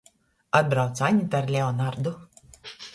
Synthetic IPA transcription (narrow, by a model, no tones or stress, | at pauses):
ad̪̚bɾawt̪sanʲit̪aɾlʲɛɔnaɾd̪ʊ